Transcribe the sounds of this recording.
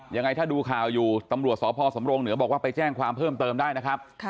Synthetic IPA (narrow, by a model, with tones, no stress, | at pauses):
ja˧ŋːa˧jt̪ʰaː˥˩duː˧kʰaː˨˩wjuː˨˩t̪a˧mɾu˨˩ət̪̚sɔː˨˦˥pʰɔː˧so˩˦mɾoː˧ŋnɯ˩˦bɔː˨˩k̚waː˥˩pa˧jt͡ɕɛː˥˩ŋkʰwaː˧mpʰɤː˥˩mt̪ɤː˧mdaː˥˩jna˦˥kʰɾa˦˥p̚ʰ